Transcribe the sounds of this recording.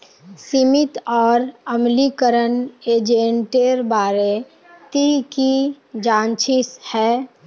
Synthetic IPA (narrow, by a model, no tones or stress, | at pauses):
simɪt̪ɔːɾəmlikəɾəneːd͡ʒẽɳʈeɾbaːɾe | t̪iki | d͡ʒãːnt͡ʃʰɪshɛː